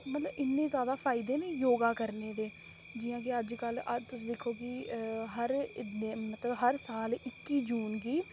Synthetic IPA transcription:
mət̪ləbɪnːẽːzjaːd̪aːpʰaːɪd̪eːnẽːjoːɡaːkəɾneːd̪eː | d͡ʒɪːãːkeəd͡ʒkələt̪ʊsĩːd̪ekʰːoːkɪɦəɾeːmət̪ləbɦəɾsaːlɪkːiːd͡ʒuːnɡiː

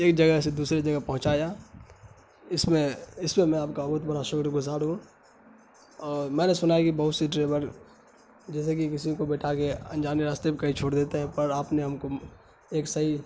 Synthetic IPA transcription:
eːk̚d͡ʒɐɡɛɦs̬ed̪uːsɾed͡ʒɐɡəɦpɐɦʊ̃t͡ʃaːjaː | ɪsmẽɪsmẽmɛ̃aːpkabɐɦʊt̪̚bɐɽaʃʊkɾɡʊzaːɾɦũ | ɔːɾmɛ̃ːnesʊnaːjakibɐɦʊt̪siʈɾeːbəɾ | d͡ʒɛːs̬ek̬ikɪsikobɛːʈʰakeɐ̰̃nd͡ʒaːniɾaːst̪ebikɐɦĩt͡ʃʰoːɽd̪eːt̪eɦɛ̃pɐɾaːpneɦɐmko | eːksɐɦi

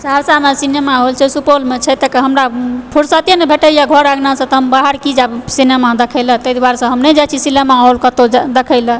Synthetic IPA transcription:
saɾsamesinemaɦolt͡ʃʰɛsupolmet͡ʃʰɛt̪əkeɦəmɾapʰuɾsat̪jenebʱeʈəjaɡʱɔɾaɡnasə̃t̪ɔɦəmbaɦəɾkid͡ʒabsinemad̪ekʰəɪlət̪əjd̪uwaɾsə̃ɦəmned͡ʒat͡ʃʰisinemaɦolkət̪od͡ʒd̪ekʰəɪlə

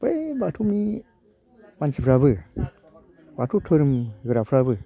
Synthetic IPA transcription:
bəjbatʰumi | mant͡ʃipʰɾabɨ | batutʰoɾɨmɣɨɾapʰɾabɨ

